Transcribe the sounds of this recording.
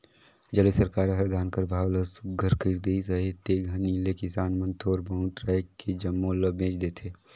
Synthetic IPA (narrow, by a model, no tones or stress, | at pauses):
d͡ʒəlesəɾkaːɾɦɐɾd̪aːnkəɾbʱaːwləsɡʱəɾkiɾd̪esəɦet̪eɡʱəniːlekɪsaːnmə̃nt̪ʰoːɾbɐʊʈɾaːjked͡ʒɐmːoləbẽːt͡ʃd̪eːt̪ʰeː